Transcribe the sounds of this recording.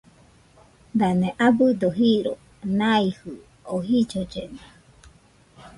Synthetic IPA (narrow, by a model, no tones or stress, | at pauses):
d̪aneʔabɯd̪oɦiɾo | nãihɯ | oɦid͡ʒod͡ʒene